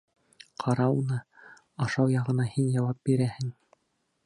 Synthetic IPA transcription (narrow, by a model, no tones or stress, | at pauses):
qʰɑɾɑunɤ | ɑʃɑwjɑʁɤ̆nɑhinjɑwɑp̚biɾæhɘŋ